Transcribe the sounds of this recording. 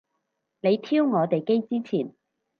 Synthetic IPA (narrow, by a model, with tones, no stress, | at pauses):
ne˨˧jt̪ʰiː˥wŋɔː˨˧t̪e˨jke˥jt͡siː˥t͡sʰiː˨˩n